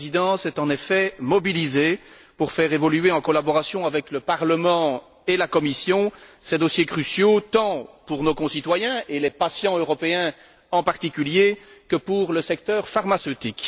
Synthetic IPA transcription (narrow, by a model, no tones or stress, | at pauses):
zid̪ɑ̃sɛt̪ɑ̃nefɛmɔbilizepuʁfɛʁevɔlyeɑ̃kɔlabɔʁasjɔ̃avɛkləpaʁləmɑ̃ | elakɔmisjɔ̃sɛd̪ɔsjekχysjot̪ɑ̃puʁnokɔ̃sit̪wajɛ̃elɛpasjɑ̃øʁɔpeɛ̃ | ɑ̃paʁt̪ikʲyljekəpuʁləsɛk̚t̪œːʁfaʁmasøt̪ik